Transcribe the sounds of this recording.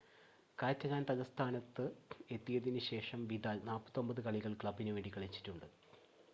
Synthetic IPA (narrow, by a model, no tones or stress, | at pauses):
kaːtːɐɣaːnt̪ɐðɐst̪ʰaːnɐt̪ːɨe̞t̪ːijɐðinɨɕe̞ːʂɐmʋid̪aːlnaːlpɐ̥t̪ːo̞mbɐðɨkɐɭiɣɐɭkɭɐbːinɨʋe̞ːɳɖikːɐɭit͡ɕːi̥tːuɳɖɨ